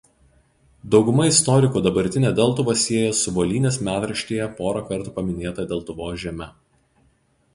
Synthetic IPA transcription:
d̪ɒʊɡʊmɐɪst̪ɔɾʲɪkuːd̪ɐbɐɾʲt̪ʲɪnʲeːd̪ʲɛlˠt̪ʊʋosʲiɛjɛsʊʋoːlʲiːnʲeːsmʲæːt̪ɾɐʃʲt̪ʲijɛpoːɾɐkɐɾt̪uːpɐmʲɪnʲeːt̪ɐd̪ʲɛlˠt̪ʊʋoːʒʲiɛmʲɛ

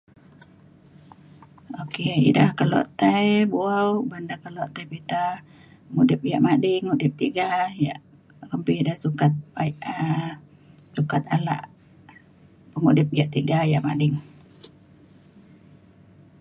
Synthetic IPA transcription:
okeḭdahkəlo̰ʔt̪ajbuawbandakəlɔʔt̪ajpit̪a | pəŋudɪp̚ja̰ʔmadɪŋːudɪp̚t̪iɡajaʔ | kəmpɪdahsukat̪̚ | sukat̪ala̰ʔ | pəŋudɪp̚jaʔt̪iɡajaʔmadɪŋ

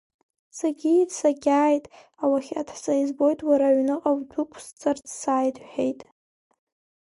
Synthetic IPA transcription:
saɡʲidsaɡʲaːjtʼ | awaχʲadʰħsʼaizbo̞jtʼwaɾaʕnɨqʼawdukʷʰst͡sʼɨrdsaːjdʼħejtʼ

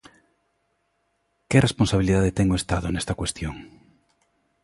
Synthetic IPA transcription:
keresponsaβiliðaðet̪ɛŋoest̪aðonest̪ɐkwest̪joŋ

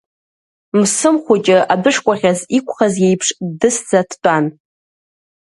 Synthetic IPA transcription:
msɨmχʷʊt͡ʃʼɪʔabɨʂkʷʼaχʲazikʷʰʼχazjejpʰʂdɨsd͡zatʰt͡pʷʼan

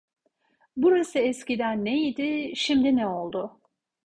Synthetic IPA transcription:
buɾasɯɛscid̪ænːejid̪ɪʃimd̪inɛo̞lˠd̪ʊ

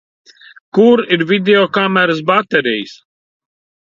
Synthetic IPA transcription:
kuɾiɾvʲid̪ʲeɔkamɛɾɨs̬bat̪ɛɾijs

